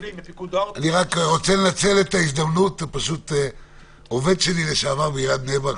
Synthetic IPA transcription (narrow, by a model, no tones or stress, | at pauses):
aniʁakʁot͡sennat͡selet̪aizd̪amnut̪paʃut̪ | oved̪t͡ʃenileʃavabiʁad̪nevaʁ